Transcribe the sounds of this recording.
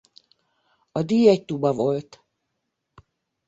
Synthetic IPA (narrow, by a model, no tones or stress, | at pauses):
ɒd̪iːjɛct̪ubɒvo̞lt̪